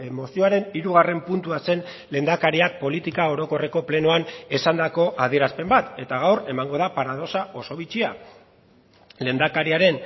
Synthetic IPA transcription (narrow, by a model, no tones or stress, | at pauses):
mo̞sio̞aɾe̞niɾuɣ̞are̞mpunt̪uase̞n | le̞nd̪akaɾiak̚po̞lit̪ikao̞ɾo̞ko̞re̞ko̞ple̞noanesand̪ako̞ʔað̞ie̞ɾaspe̞mbat̪e̞t̪aɣ̞awre̞maŋɡo̞ðapaɾaðo̞sao̞so̞βit͡ʃia | le̞nd̪akaɾiaɾe̞n